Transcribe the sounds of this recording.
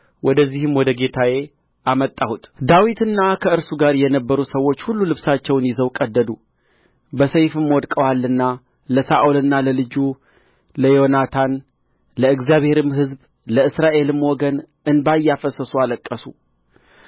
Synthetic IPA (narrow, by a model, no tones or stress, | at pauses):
wʔɔd̪əzːihɨmwɔd̪əɡe̞t̪ʰaje̞ | ʔamət̪ʼːahut̪d̪awit̪ʰɨnːakʰəɨɾsuɡaɾjɛnəbːəɾusəwːo̞t͡ʃːhulːulɨβsat͡ʃːɛwnjɪzəwkʼəd̪ːəd̪u | bəsəjfɨmwɔd̪kʼəwalːɨnːa | ləsaʔulɨnːaləlɨd͡ʒu | ləjo̞nat̪ʰan | ləɨɡzjaβhe̞ɾɨmɦɨzb | ləɨsɾaʔe̞lɨmwɔɡən | ɨnbajːafəsəsualəkʼːəsu